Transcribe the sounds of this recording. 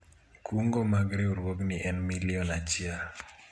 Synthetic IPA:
kuŋɡomaɡɾeoɾwoɡniʔɛnmiliɔnat͡ʃɪa

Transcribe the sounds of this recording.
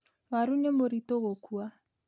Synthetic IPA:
waɾuɲemoɾitoɣokua

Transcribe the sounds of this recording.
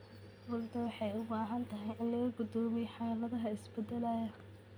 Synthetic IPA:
wʊlt̪ʰɐwɑħɑjʊbaːɦɐnt̪ʰɐɦɛjʔɪnlɐɣɐɡʊd̪ɔːmɛjħɑːlɐðɐɦɐɪsbɛd̪ɛlɐjɐ

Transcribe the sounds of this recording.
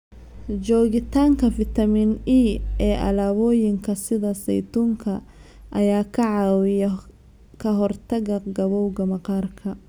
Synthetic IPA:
d͡ʒɔːɣɪt̪ʰaːŋkʰɐfɪt̪ʰɐminiːɛːʔɐ̰laːβɔːjɪŋkʰɐsɪðɐsɛ̰jt̪uːŋkʰɐ | ʔɐjaːkʰɐʕɑːwɪjɐ | kʰɐɦɔrt̪ʰɐɣɐɡɐβɔwɡɐmɐqɑːrkʰɐ

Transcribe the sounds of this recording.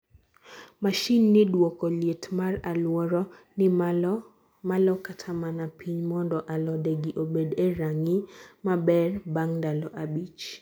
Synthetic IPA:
maʃinːɪdwɔkɔlietmaralwɔɾɔ | nɪ | malɔkatʰamanapʰiɲmɔndɔʔalɔdeɡiʔobedeɾaŋimabɛrbaŋdalɔʔabit͡ʃ

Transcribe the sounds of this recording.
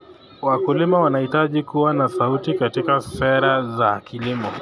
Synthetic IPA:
wakulimawanahitaʄikuwanasautikatikasɛɾazakilimɔ

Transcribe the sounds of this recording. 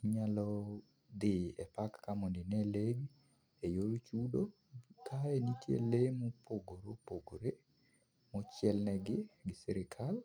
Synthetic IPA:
ɲalɔ | d̪ɪɛpakːamɔndɪnɛleɡ | ejolt͡ʃudo | kʰaenikḛlemɔpʰoɡoɾopoɡoɾe | mɔt͡ʃjɛlnɛɡɪɡɪsɛɾɪkʰal

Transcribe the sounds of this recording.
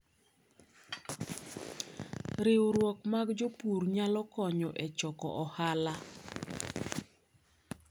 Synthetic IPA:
ɾɪɾwɔkmaɡd͡ʒopuɾɲalɔkɔɲɔʔɛt͡ʃɔkɔ̰ʔɔhala

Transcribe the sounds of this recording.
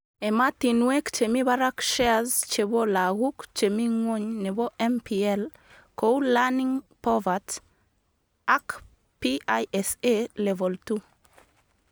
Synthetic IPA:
ɛmatinwekt͡ʃemiβaɾakʃɛazt͡ʃeβolaɣukt͡ʃemiŋwoɲneβɔʔɛmpiɛl | kowlaniŋpɔvat | ak | piaʔɛselevɔltu

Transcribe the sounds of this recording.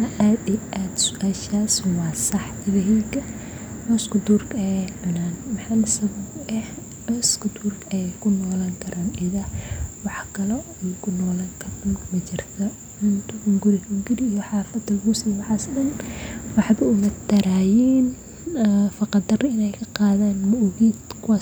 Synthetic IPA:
ɐʔaːd̪iʔaːd̪sʊ̥ʔaːʃaːsɔwɑːsɑħt̪ɪβɐɦiːɡɐ | mɔskʊd̪uːrkɐɛʊnaːnmɑħalsɐβɐbɛh | ɔskʊd̪uːrkʰɛkʰʊnɔːlaːŋkʰɐɾaːnʔɪðɐwɑħkʰɐlɔɛjkʰʊnɔːlaːŋkʰɐrʊnmɐt͡ʃɪrt̪ʰɐ | ʊnt̪ʰʊʊŋɡʊɾɪhʊŋɡɪɾɪijɔħɑːrfɐd̪ɐlɣʊsiːwɑħɑːsdɐnwɑħbɐʊmɐd̪ɐɾaːjiːn | fɑqɑd̪ɐrɪɪnɛjkʰɐqɑːðaːnmʊʊɣiːd̪kʰʊwaː

